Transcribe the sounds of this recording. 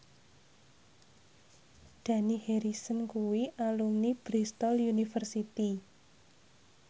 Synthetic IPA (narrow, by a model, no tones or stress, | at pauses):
d̪̥ä̤niheɾisənkuwiʔalumnib̥ɾist̪ɔljunifərsit̪i